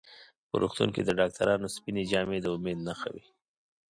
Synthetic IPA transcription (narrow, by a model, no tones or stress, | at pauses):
pə̰ɾṵxt̪ṵŋked̪əɖɑk̚t̪aɾɑnospined͡ʒɑmed̪əʊmed̪naxa̰wi